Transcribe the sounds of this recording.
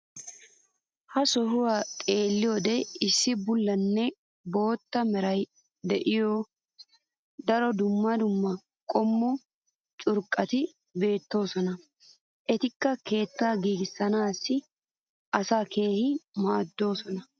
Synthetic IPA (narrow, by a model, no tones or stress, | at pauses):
hɐsɔɦʊwat̪ʼe̞ːlːɪjoːd̪ɛɪsːɪbʊlːɐnːɛ | bo̞ːt̪ːɐmɛɾɐj | d̪ɛʔɪjoː | d̪ɐɾɔd̪ʊmːɐd̪ʊmːɐ | kʼɔmːɔ | t͡ʃʼʊɾkʼːɐt̪ɪ | be̞ːt̪ːo̞ːsɔnɐ | ʔɛt̪ɪkːɐke̞ːt̪ːaːɡiːɡɪsːɐnaːsːɪ | ʔɐsaːke̞ːhɪmaːd̪ːo̞ːsɔnɐ